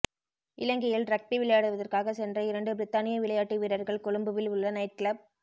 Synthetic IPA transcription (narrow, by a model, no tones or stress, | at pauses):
ʔɪlɐŋɡɪjɪlɾɐk̚ʈiʋɪlɐjaːɽɯʋɐðɐrkaːɣɐsɛndrɐɪɾɐɳɖɯbɪɾɪt̪ːaːnɪjɐʋɪlɐjaːʈːiʋiːɾɐɾɣɐɭkɔɽɯmbɯʋɪlʋɯɭːɐnɐɪʈ̚kɪɭɐb̚